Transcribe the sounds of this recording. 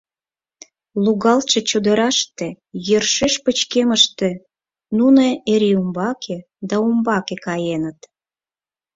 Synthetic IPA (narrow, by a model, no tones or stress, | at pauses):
luɣɑlt͡ʃet͡ɕud̪ə̆ɾɑʃt̪e | jørʃeʃpət͡ɕkeməʃt̪e | nuneeɾiumbɑkʰe | d̪ɑumbɑkekɑjenət̪